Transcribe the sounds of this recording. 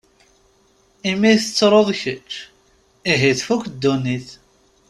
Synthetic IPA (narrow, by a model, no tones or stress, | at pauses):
imiθət͡sːɾˤoðˤçət͡ʃː | iɦiθfukd̪ːuniθ